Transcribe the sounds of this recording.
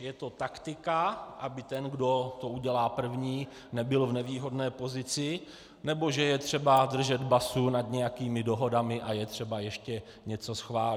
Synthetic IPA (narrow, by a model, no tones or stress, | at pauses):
jɛt̪o̞t̪akt̪ɪkaʔabɪt̪ɛnɡdo̞t̪o̞ʔuɟɛlaːpr̩vɲiː | nɛbɪlvnɛviːɦo̞dnɛːpo̞zɪt͡sɪ | nɛbo̞ʒɛjɛt̪r̝̥ɛbadr̩ʒɛd̪basunad̪ɲɛjakiːmɪdo̞ɦo̞damɪʔajɛt̪r̝̥ɛbajɛʃcɛ | ɲɛt͡so̞sxvaːl